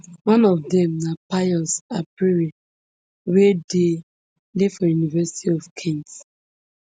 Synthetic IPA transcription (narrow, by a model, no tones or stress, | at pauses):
wãnɔvdɛ̃mnapaɔsapiɹi | wede | lefɔjunivɛsi̥tʰiɔfkʰĩŋt